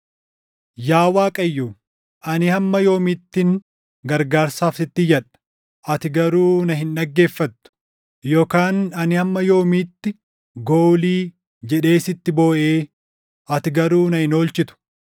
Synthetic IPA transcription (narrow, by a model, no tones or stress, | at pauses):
jaːwaːkʼɐjːuː | ʔɐnɪhɐmːɐjo̞ːmɪt̪ːɪn | ɡɐɾɡaːɾsaːfsɪt̪ːɪjɐᶑɐ̥ | ʔɐt̪ɪɡɐɾuːnɐɦɪnᶑɐɡːe̞ːfːɐt̪ːʊ̥ | joːkaːnɐnɪhɐmːɐjo̞ːmiːt̪ːɪ | ɡoːliː | d͡ʒɛᶑe̞ːsɪt̪ːɪbo̞ːʔe̞ː | ʔɐt̪ɪɡɐɾuːnɐhɪno̞ːlt͡ʃɪt̪ʊ̥